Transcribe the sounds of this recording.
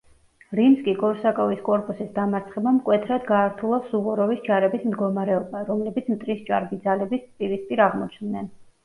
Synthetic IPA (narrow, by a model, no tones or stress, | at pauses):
ɾimskʼiɡʼɔɾsakʼɔviskʼɔɾpʼusisd̪amaɾt̪sʰχɛbamkʼwɛt̪ʰɾad̪ɡaːɾt̪ʰulˠasuʁɔɾɔvisd͡ʒaɾɛbismd̪ɡɔmaɾɛɔbaɾɔmlɛbit̪sʰmt̪ʼɾist͡ʃʼa̰ɾbid̪zalɛbipʼiɾispʼiɾaʁmɔt͡ʃʰnd̪nɛn